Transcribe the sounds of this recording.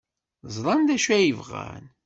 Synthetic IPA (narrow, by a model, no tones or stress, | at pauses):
zˤɾˤɑnd̪æʃæjəvʁæ̰n